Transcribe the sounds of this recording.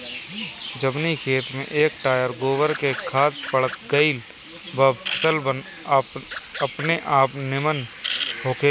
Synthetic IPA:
d͡ʒəmnikʰeːt̪mḛ̃ʔeːk̚ʈaːjəɾɡoːʋəɾkekʰaːt̪pəɽət̪ɡəil | bɐpʰəsəlbən | pəpneʔaːpnɪmənɦoːke

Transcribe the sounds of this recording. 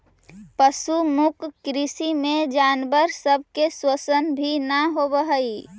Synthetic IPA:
pəsumʊkːɾisimẽd͡ʒanbəɾsəb̚ʱkeswəsənbʱinəɦobəɦəi

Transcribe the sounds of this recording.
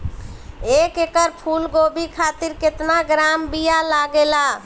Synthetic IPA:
ekekəɾpʰulɡobikʰat̪iɾket̪naɡɾambijalaɡela

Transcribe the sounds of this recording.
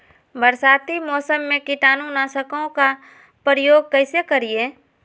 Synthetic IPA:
bəɾsaːt̪imɔːsəmːẽkɪʈaːnũnaːsəkõka | pɾəjoːɡ̚kɛɪsekəɾie

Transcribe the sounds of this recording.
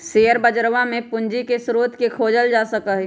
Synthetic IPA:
seːəɾbəd͡ʒɾʋãmẽpʊnd͡ʒikesɾoːt̪kekʰoːd͡ʒəld͡ʒaːsəkəɦ

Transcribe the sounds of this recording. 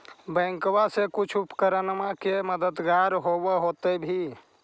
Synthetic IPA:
bɛ̃ːŋkwasekʊt͡ʃʰupkəɾənmakeməd̪əd̪ɡaɾɦoweɦot̪ebʱi

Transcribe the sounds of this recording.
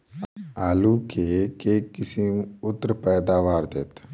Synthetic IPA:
aːlukekeːkɪsiʊt̪ːɾəpɛːd̪aːʋaːɾd̪ḛːt̪

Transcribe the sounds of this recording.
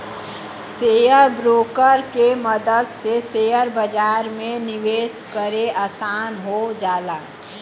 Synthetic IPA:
sejəɾbɾoːkəɾkeməd̪əd̪sesejəɾbəd͡ʒaːɾmẽnɪʋeːskəɾeʔasaːnɦod͡ʒaːlaː

